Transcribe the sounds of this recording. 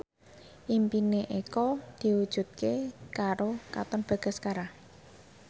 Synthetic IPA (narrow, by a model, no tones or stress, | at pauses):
ʔimpineʔekɔd̪̥i̤wud̥ʒ̥ṳt̪̚kekaɾokat̪ɔnb̥ä̤ɡ̥a̤skaɾah